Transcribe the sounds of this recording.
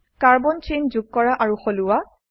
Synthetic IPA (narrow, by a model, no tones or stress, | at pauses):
kaɹbɔnt͡ʃenzuɡ̚kːɔɹaʔaɹuxolʊwa